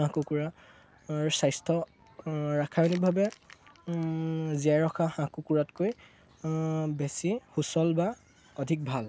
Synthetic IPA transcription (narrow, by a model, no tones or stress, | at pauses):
ãkukuɹa | ɹusajstʰɔ | ɹakʰajɔnik̚bʱabɛ | ziaɹɔxahãkukuɹatkoj | bɛsixusɔlba | ɔdʱik̚bʱal